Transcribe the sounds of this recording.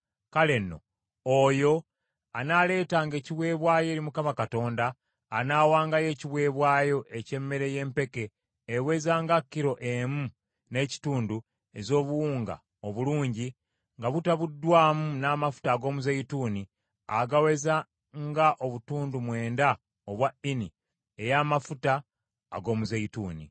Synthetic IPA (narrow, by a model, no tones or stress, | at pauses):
kale̞nːo̞̰ | ojo̞ | anale̞ːtaŋɡe̞ːciβwe̞ːβwaːje̞ːlimukamakato̞ːndaː | naːwaːŋɡaje̞ːciβwe̞ːβwaːjo̞ʔe̞ce̞mːe̞ɾe̞je̞ːmpe̞ke̞ː | we̞zaːŋɡakːiɾo̞ʔemu | ne̞ːci̥tuːndu | e̞zo̞ːβuwuːŋɡa̰ | o̞βuluːɲɟi | ŋɡaβutaβudːwaːmunaːmafu̥taːɡo̞ːmuzeituːni | aɡawe̞za | ŋɡaʔo̞βutuːndumwe̞ːnda | oβwaini | ejaːmafuta̰ː | ɡo̞ːmuzeituːnḭ